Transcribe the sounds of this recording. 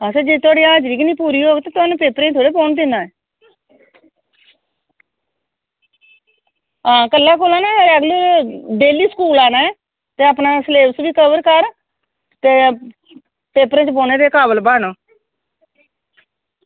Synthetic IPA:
ɦãːseːd͡ʒeːt̪ʰʊaːɽiãːd͡ʒɾiːknĩːpuːɾiːɦoːɡet̪ãːt̪ʊnũːpeːpəɾẽːt̪ʰoːɽeːpoːnd̪ɪnãːɛː | ɦãːkəlːaːkolaːnaːaɾəɡliɖeːliːskuːlaːnaːɛː | t̪eːapnaːsleːpsʋiːkəʋəɾkəɾ | t̪eː | peːpəɾẽːt͡ʃəboːneːd̪eːkaːbəlbaːnõː

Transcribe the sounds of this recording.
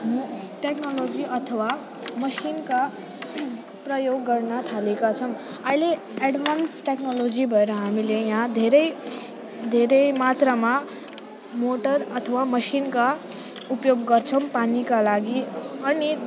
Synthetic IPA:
mʈeknolod͡ziʔʌt̪ʰəwa | mʌsinka | pɾʌjoɡːʌɾnat̪ʰalekat͡sʰʌm | aile | eɖʋʱansʈeknolod͡zibʱʌeɾʌɦamilejãd̪ʱeɾəj | d̪ʱeɾəjmat̪ɾəma | moʈəɾʌt̪ʰəwaməsinka | upjoɡɡʌɾt͡sʰʌmpanikalaɡiʌni

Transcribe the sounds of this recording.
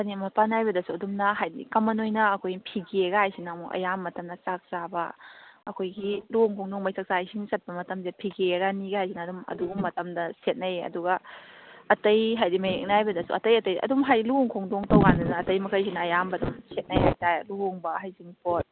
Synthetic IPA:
ɐnimɐpanajbɐdɐsuɐdumnɐɦajdḭkɐmɐnojnɐɐkʰojpʰiɡeɡɐhajsinamuʔɐ̰jamːɐtɐmdɐt͡ʃak̚sabɐɐkʰojɡiluoŋkʰoŋdoŋmɐjsak̚saajsʰiŋisɐt̚pɐmɐtɐmzepʰiɡeɾaniɡahajsinɐːdumɐ̰duɡumːɐtɐmdɐset̚nɐjɐ̰duɡɐ | ɐtɐjɦajdimɐjek̚najbɐdɐsṵɐtɐjɐtɐjʔɐ̰dumɦajluoŋkʰoŋdoŋtɐwɡandɐnɐːtɐjmɐkʰɐɾjs̬inɐːjambɐdumsʰet̚nɐjɦajtaɾluɦoŋbɐɦajsinpot̚

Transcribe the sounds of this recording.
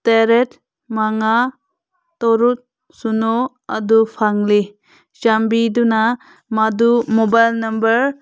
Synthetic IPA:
teɾet̚ | maŋa | tɔɾut̚ | suno | adupʰaŋli | t͡ʃambiduna | madumɔbajlnɐmbəɾ

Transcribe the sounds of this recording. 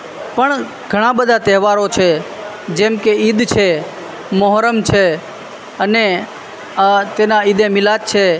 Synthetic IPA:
pəɳ | ɡ̥ʱəɽ̃ãbəd̪ʱat̪ɛɦʋaɾot͡ʃʰe | d͡ʒɛ̃mkeid̪t͡ʃʰe | məɦɾəmt͡ʃʰe | əne | t̪enaid̪emilat͡ʃʰe

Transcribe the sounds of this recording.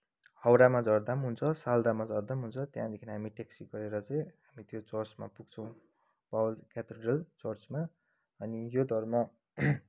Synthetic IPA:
hʌwɾamad͡zʌrd̪amɦunt͡sʰʌsald̪amad͡zʌrd̪amɦunt͡sʰʌt̪jãd̪ekʰinaɦamiʈeksiɡʌɾeɾʌt͡saj̃ɦamit̪jot͡sʌrt͡sma̰puɡt͡sʰʌ̃w̃ | pawlkʲjat̪eɖrʌlt͡sʌrt͡sma | ʌnijod̪ʱʌrmʌ

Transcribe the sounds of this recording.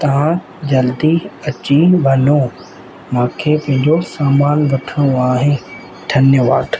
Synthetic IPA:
t̪ɐʋ̤ã | d͡ʑɐld̪iɐt͡ɕiːnbʱɐnõ | mãːkʰeːpɐ̃ɦɪ̃ɲd͡ʑosaːmaːnʋɐʈʰəɽ̃oaːɦe | ʈʰɐnjoʋaːʈʰ

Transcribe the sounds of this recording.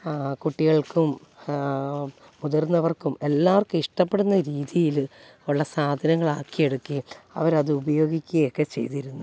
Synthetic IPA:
kuʈːiɣɐɭkum | muðɐrnːɐʋɐrkume̞lːaːʋɐrkɨiʂʈɐpːe̞ɽunːɐɾiːðijil | oɭːɐsaːd̪ʱɐnɐŋːɐɭaːkːije̞ɽukːiɐ̰ʋɐɾɐðɨubɐjo̞ːɡikʲːuɣɐjokːe̞t͡ɕe̞̰jt̪iɾunːu

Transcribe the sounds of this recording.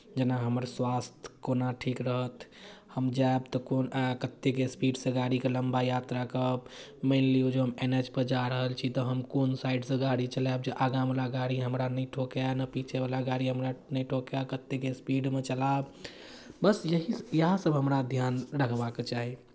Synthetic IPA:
d͡ʒenaɦəməɾswast̪ʰkonaʈʰikɾəɦət̪ʰhəmd͡ʒaebt̪ɔkonkət̪ːekespiɖsẽɡaɽikeləmbajat̪ɾakəb | meɪnliod͡ʒoɦəmenet͡ʃpəɾd͡ʒaɾəɦəlt͡ʃʰit̪ɔɦəmkonsaɪɖsẽɡaɽit͡ʃəlab̚d͡ʒeʔaɡãmlaɡaɽiɦəmɾanəiʈʰokjanəpit͡ʃʰebalaɡaɽiɦəmɾanəiʈʰokjakət̪ːekespiɖmet͡ʃəlab | bəsjəɦijəɦasəbɦəmɾad̪ʱjanɾəkʰbaket͡ʃaɦi

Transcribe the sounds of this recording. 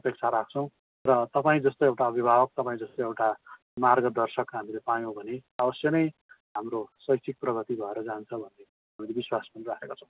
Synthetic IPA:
ʌpek̚t͡sʰaɾak̚ʰt͡sʰʌw̃ | rʌt̪ʌpaĩd͡zʌst̪ojewʈaʌbʱibʱabʌk̚t̪ʌpaĩd͡zʌst̪oewʈa | marɡʌd̪ʌrsʌkɦamilepajõbʱʌneabʌsjʌnʌj | ɦamrosʌjsʰik̚prʌɡʱʌt̪ibʱʌeɾʌd͡zant͡sʰʌbʱʌnːe | amilebiswasmanrakekot͡sʰʌ̃w̃

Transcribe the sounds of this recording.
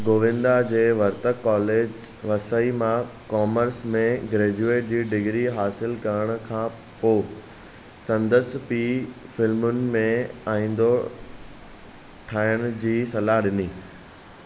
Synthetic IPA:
ɡoːʋɪ̃nd̪ad͡ʑeːʋɐɾt̪əkːɔːleːd͡ʑ | ʋɐsəimãkɔːməɾsmẽɡɾeːd͡ʑueːʈ̚d͡ʑiːɖɪɡɾiɦaːsɪlkɐɾəɽ̃ʊ̆kʰãː | poː | sɐ̃nd̪əspifɪlmʊnɪ̆mẽaːĩːn̆d̪o | ʈʰaːɪəɽ̃̆d͡ʑiːsɐlaɦɗɪniː

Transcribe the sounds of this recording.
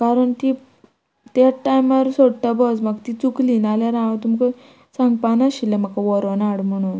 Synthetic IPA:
kaɾəɳt̪i | t̪aʈajmaɾsoɽʈabɔd͡zmaɡt̪it͡suklinalaɾããt̪umkə | sãŋɡ̚panaɕilem̤akaʋɔɾɔnaɽm̤əɽ̃un

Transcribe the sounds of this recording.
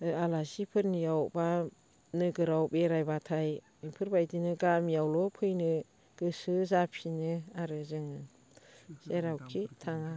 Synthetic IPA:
ɯalasipʰɯɾnijawba | nɯɡɯɾawbeɾajbatʰaj | ɯpʰɯɾbajdinɯɡamijawlɔpʰɯjnɯ | ɡ̥ɯsɯzapʰinɯaɾɯzɯŋɯ | seɾawkʰitʰaŋa

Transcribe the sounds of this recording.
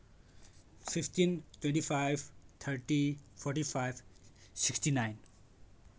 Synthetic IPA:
fɪfʈinʈwɛ̃ɳʈifaɪʋt̪ʰəɾʈifʰɔɾʈifaɪʋsɪksʈinaɪn

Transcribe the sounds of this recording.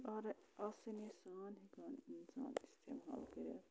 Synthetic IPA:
aɾasɐnesaːnɦikaːninsa̰ːnist̪ʰema̰ːlkɐɾɐ̰

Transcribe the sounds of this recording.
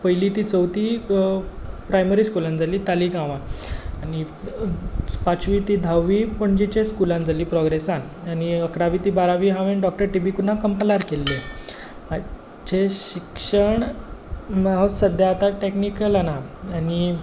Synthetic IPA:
pəjlit̪iːt͡səwt̪iː | pɾajməɾiːskulãnd͡zʱaliːt̪aliːɡãʋãani | pat͡sʋiːt̪iːd̪ʱawʋipəɳd͡ʑit͡ɕẽskulãnd͡zʱaliːpɾɔɡɾesan | aniəkɾaʋiːt̪iːbaɾaʋiːɦãʋeɳɖɔk̚ʈəɾʈibikunakəmpəlaɾkelːe | ma | d͡ʑʱeɕikʂəɳ | mɦasəd̪ʱjat̪aʈeknikəlanaani

